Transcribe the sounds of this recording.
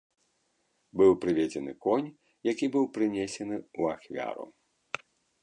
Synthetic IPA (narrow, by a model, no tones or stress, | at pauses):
bɨwpɾɨvʲed͡zʲɛnɨ̰kɔnʲ | jakʲibɨwpɾɨnʲesʲɛnɨuaxvʲa̰ɾṵ